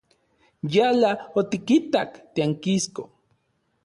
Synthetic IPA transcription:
jalaot̪ikit̪akt̪eaŋkisko̰

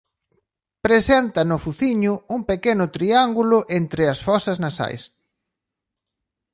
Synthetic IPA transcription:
pɾesent̪ɐnʊfuθiɲʊuŋpekenʊt̪ɾiaŋɡulʊʔent̪ɾɪɐsfɔsɐznasa̰js

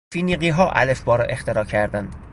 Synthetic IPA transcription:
fiːniːɢiːɦɒːʔæ̰lefbɒːɾɒ̰ʔe̞xt̪ʰeɾɒːcʰæɾd̪ænd̪̥

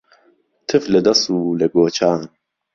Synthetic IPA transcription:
t̪ʰɨflɛd̪ɐsuːlɛɡoːt͡ʃʰaːn

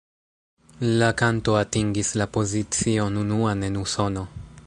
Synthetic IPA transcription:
lakanto̞atiŋɡislapo̞zit͡sio̞nunuane̞nuso̞no̞

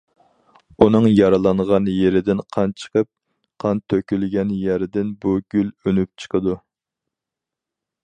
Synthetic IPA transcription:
unɨŋjɑɾɑlˠɑɴʁɑnjeɾɪd̪ɪnqʰɑnt͡ʃʰə̥qʰəp̚ | qʰɑnt̪ʰøkʲylɡʲɛnjæɾɪd̪ɪnbuɡ̥ʲylønyp̚t͡ʃʰə̥qʰəd̪u

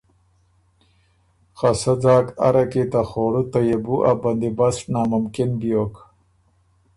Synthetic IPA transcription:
xasad͡zɑːka̰ɾakit̪axoːɽut̪ajebuʔaband̪ibasʈnaːmʊmkɪnbjoːk

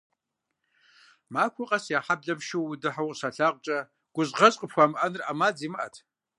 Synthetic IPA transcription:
makʷʰʊqʼasjaħabɮamʃiwdɨħawʼsaɬaqʷʼt͡ʃʼa | ɡ̥ʷʊzʁɐt͡sʼqʼəpʰxʷamʔanrʔamad͡zimɨʔa̰tʰ

